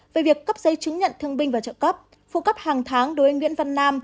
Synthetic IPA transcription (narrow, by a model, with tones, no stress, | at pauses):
ve˨˩vi˨˩əkːə˦˥p̚zə˨˦jt͡ɕɨ˨˦ŋɲə̰˧˨nt̪ʰɨ˧əŋɓï˧ŋ̟vaː˨˩t͡ɕə̰ː˧˨kə˦˥p̚ | fṵ˧˥kə˦˥p̚haː˨˩ŋt̪ʰaː˨˦ŋɗo˨˦və˨˦ŋwi˧˥ənva˧nːaː˧m